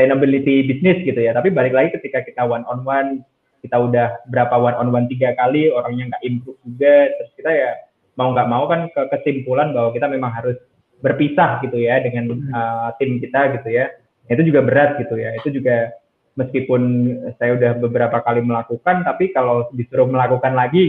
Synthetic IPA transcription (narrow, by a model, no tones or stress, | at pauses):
senobilit̪ibisnɪsɡit̪ujat̪apibalɪklaɡikət̪ikakit̪awanɔnwan | kit̪audahbəɾapawanɔnwant̪iɡakalioɾaŋɲaŋɡaʔimpɾut̪̚d͡ʒuɡat̪ɾʊskit̪aja | mauŋɡaʔmaukankəkəsimpulanbaɦwakit̪amemaŋɦaɾʊs | bərpisahɡit̪ujadəŋanət̪ɪmkit̪aɡit̪uja | ait̪ud͡ʒuɡabəɾat̪̚ɡit̪ujait̪ud͡ʒuɡa | məskipʊnsajaudahbəbəɾapakaliməlakukant̪apikalobisuɾʊhməlakukanlaɡi